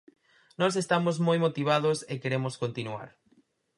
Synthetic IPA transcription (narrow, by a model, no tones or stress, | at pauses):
nɔs̬est̪amozmojmot̪iβ̞aðosekeɾemoskont̪inua̰ɾ